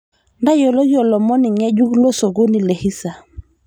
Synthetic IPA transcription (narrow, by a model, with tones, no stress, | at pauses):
nda˦jo˨lo˦jɔ˨lɔ˨mɔ˦ni˨ŋɛ˦ɟu˦klo˦so˨ɡo˦ni˨le˨hi˦sa˨